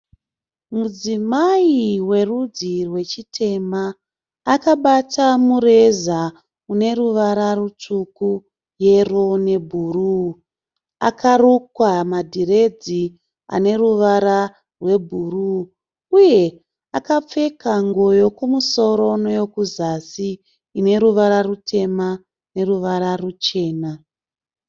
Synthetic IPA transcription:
mud͡zimaiwe̞rud͡zirwe̞t͡ʃitʰe̞maː | kaɓatamuɾe̞za | une̞ruʋaɾarut͡ʂuku | je̞rone̞bʱuru | a̰kʰarukwamadʱiɾe̞d͡zi | a̰ne̞ruʋaɾa | rwe̞bʱuruː | uje̞ | akap͡fe̞kaŋɡo̞jo̞kumuso̞ɾo̞nojo̞kuzasiː | ne̞ɾuʋaɾarutʰe̞ma | ne̞ruʋaɾarut͡ʃe̞ːna

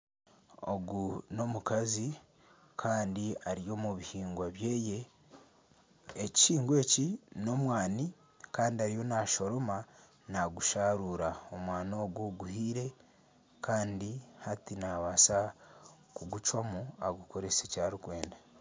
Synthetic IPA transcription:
o̞̰ɡuno̞mukazi | kʰaːndiaɾijo̞muβihiːŋɡwaβje̞ːje̞ | ci̥ʃiːŋɡwe̞ːcino̞mwaːni | kaːndiaɾijo̞naʃo̞ɾo̞ma | naɡuʃaːɾuːɾaomwaːno̞ːɡoɡuhiːɾe̞ | kʰaːndihatinaβaːsa | kuɡut͡ʃwamuaɡuko̞ɾe̞secaːɾukwe̞ːnda

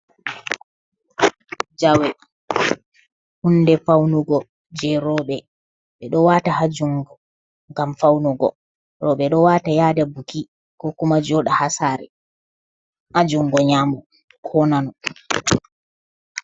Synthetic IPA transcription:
d͡ʒawɛ | hundɛfawnuɡɔ | d͡ʒɛɾɔɓɛ | ɓɛɗɔwatahad͡ʒuŋɡɔ | ŋɡamfawnuɡɔ̰ | ɾɔɓɛɗɔwatajaːdabuki | kɔkumad͡ʒɔɗahasaːɾɛ̰ | ʔad͡ʒuŋɡɔɲamɔ | kʰɔnanɔ

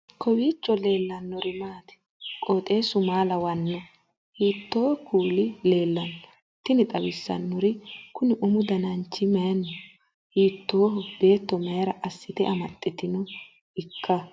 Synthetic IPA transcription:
kʰɔwiːt͡ʃːɔle̞ːlːɐnːɔɾɪmaːt̪ɛ̥ | kʼoːt̪ʼe̞ːsʊmaːlɐwɐnːɔ | hiːt̪ːoːkʰuːlɪle̞ːlːɐnɔ | t̪ːɪnɪt̪ʼɐwɪsːɐ̰nːɔɾɪkʊnɪʔʊmʊd̪ɐnɐnt͡ʃːɪmɐjɐnːɔ | hiːt̪ːoːɦɔbe̞ːt̪ːɔmɐjɾɐʔɐsːɪt̪ɛʔɐmɐt̪ʼːɛt̪ɪnɔ | ɪkʰːɐ

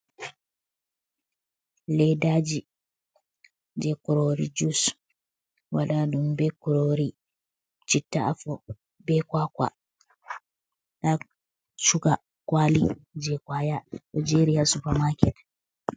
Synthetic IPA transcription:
lɛdaːd͡ʒi | d͡ʒɛkuɾoɾḭd͡ʒus | waladumbɛkuɾoɾi | t͡ʃitːaʔafɔ | bɛkwakwa̰ | ɗa | t͡ʃuka | kwalid͡ʒɛkwajaʔɔd͡ʒɛɾijasupamakɛt

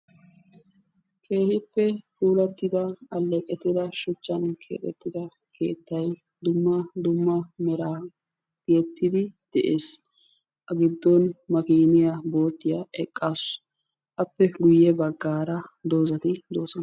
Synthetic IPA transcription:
kʰe̞ːhɪpːɛkuːlɐt̪ːɪd̪ɐɐlːɛkʼɛt̪ːɪd̪ɐʃʊt͡ʃːɐnkʰḛːk̪ʼɛt̪ːɪd̪ɐ | kʰe̞ːt̪ːɐj | d̪ʊmːɐd̪ʊmːɐmɛɾaː | dɪjɛt̪ːɪd̪ɪd̪̥ɛʔe̞ːs | ʔɐɡɪd̪ːɔnmɐkiːnɪjabo̞ːt̪ːɪjɐɛkʼːas | ʔɐpːɛɡʊjːɛbɐɡːaːɾɐd̪o̞ːzɐt̪ɪd̪o̞ːsɔnɐ

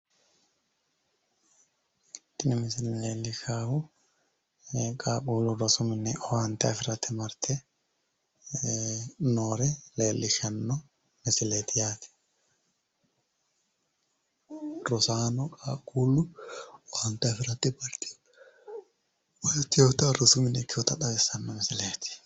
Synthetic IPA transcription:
t̪ɪnɪmɪsɪleːlːɪʃaːhʊ | kʼaːkʼuːlːʊɾɔsʊmɪnːɛʔɔwaːnt̪ɐɛfɪɾɐt̪ːɪmɐɾt̪ʰɛ | noːɾɛle̞ːlːɪʃɐnːɔ | mɪsɪleːt̪ɪjaːt̪ɪ̥ | ɾɔsaːnɔkʼaːkʼuːlːʊɔwant̪ɐfɪɾɐt̪ːɪbɐɾt̪i̥ | wɐt̪ːɪjoːt̪aɾɐsʊmɪnkːɪɔt̪ɐᶑɐɡɛsɐnːɔmɪsɪleːt̪ɪ̥

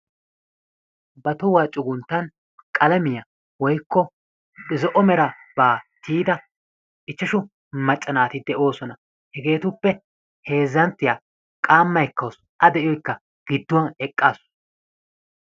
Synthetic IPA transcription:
bɐt̪ʊwaːt͡ʃʼʊɡʊnt̪ːɐn | kʼɐlɐmɪjɐ | wɔjkːɔ | ɡɪzɔʔɔmɛɾɐb̥aːt̪ʰiːd̪ɐ | ʔɪt͡ʃːɐʃʊ | mɐt͡ʃʼːɐnaːt̪ɪd̪ɛʔo̞ːsɔnɐ | hɛɡe̞ːt̪ʊpːɛ | he̞ːzːɐnt̪ːɪjaː | kʼaːmːɐjkːɐws | ʔɐd̪ɛʔɪjɔjkːɐ | ɡ̥ɪd̪ːʊwɐnɛkʼːaːs

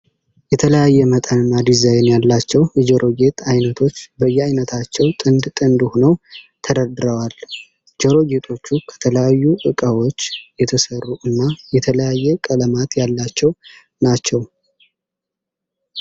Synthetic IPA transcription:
jɛt̪ʰələjajːɛmət̪ʼənɨnːad̪izajnjalːat͡ʃːɛwjɛd͡ʒɛɾo̞ɡe̞t̪ʼajnət̪ʰo̞t͡ʃːbəjːɛajnət̪ʰat͡ʃːɛwt̪ʼɨnd̪t̪ʼɨnd̪honəw | t̪ʰəd̪əd̪ɨɾəwal | d͡ʒɛɾo̞ɡe̞t̪ʼʰo̞t͡ʃːukʰə̥t̪ʰələjajːuʔɨkʼəwo̞t͡ʃːjɛt̪ʰəsərːuʔɨnːajɛt̪ʰələjajːɛkʼələmat̪jalːat͡ʃːɛw | nat͡ʃːɛw

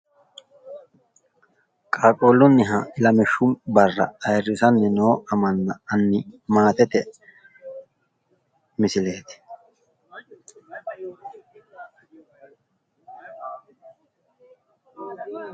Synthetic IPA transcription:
kʼaːkʼoːlʊnːɪɦɐɪlɐmɛʃːʊmbɐrːɐ̰ɐjrːɪsɐnːɛnoːɐmɐnːɐɐnːɪmaːt̪ɛt̪ɛ | mɪsɪle̞ːt̪ɪ̥

